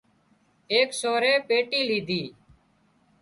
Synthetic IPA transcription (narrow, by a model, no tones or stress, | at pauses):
eːksoːɾeːpeːʈiːliːd̪ʱiː